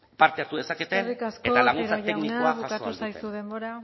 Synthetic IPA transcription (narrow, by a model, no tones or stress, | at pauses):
paɾt̪eaɾt̪uðe̞saket̪erikaskeot̪alaɣunt͡st͡saʝeknikaoaβuakt̪usajsuðe̞mbo̞ɾa